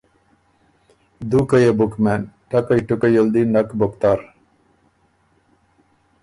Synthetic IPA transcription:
d̪ukɐjebukmenʈɐkɐjʈukɐjold̪inɐkbokt̪aːɾ

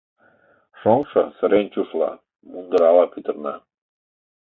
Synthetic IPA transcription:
ʃoŋʃɤ̰̆sə̆ɾent͡ɕuʃlɑ̰ | mund̪əɾɑlɑpyt̪ə̆rnɑ̰

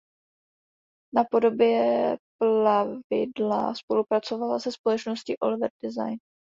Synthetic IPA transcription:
napo̞do̞bjɛplavɪ̰dla̰spo̞lupɾat͡so̞valasɛspo̞lɛt͡ʃnoscɪʔolɪvɛɾdɪza̰jn

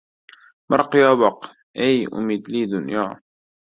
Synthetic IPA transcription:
mɑɾˤqjaːbɑq | ʔejʔʊ̰mid̪liːd̪ʊnjaː

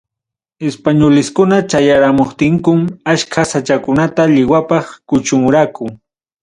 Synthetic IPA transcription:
espaɲolɪskʊnat͡ʃajaɾamoχt̪ɪŋkʊmaʃkʰasat͡ʃakʊnat̪aʎɪwapɑχkʊt͡ʃʊmʊɾakʊ

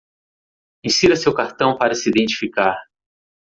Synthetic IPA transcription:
ẽsiɾɐsewkaɾt̪ɐ̃w̃paɾɐsiid̪ẽnt͡ʃi̥fikaɾ

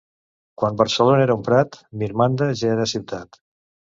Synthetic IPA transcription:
kwambəɾsəlonaeɾaumpɾat̪miɾmand̪aʒaeɾəsiwt̪at̪

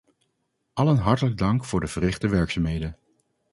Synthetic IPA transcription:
ʔɑlənɦɑɹtələɡ̚dɑŋkfʊːɹdəv̥ərɪχtəʋɛɹksaːmɦejdən

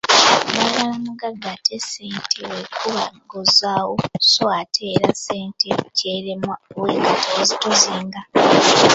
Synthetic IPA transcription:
naβaamuɡaɡatʰeseːntʰewekʰuβaɡozaːwosoatʰeːɾaseːnteceːɾemwaweŋɡatowezitoziːŋɡa

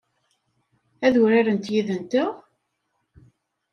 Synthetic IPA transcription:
æðʊɾaɾənt̪jiðənt̪əʁ

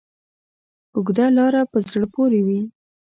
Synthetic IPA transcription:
ʊɡd̪alɑɾapəzɽəpoɾewi

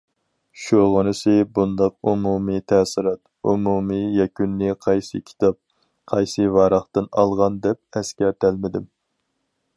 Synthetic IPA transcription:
ʃuʁʊnɨsɨbund̪ɑq̚umumit̪ʰɛːsɨɾɑt̪ | ṵmumijɛkʲynːɪqʰɑjsɨkʲʰi̥t̪ʰɑp̚ | qʰɑjsɨvɑːɾɑχt̪ɨnɑlˠʁɑnd̪ɛp̚ɛskʲɛɾt̪ʰælmɪd̪ɪm

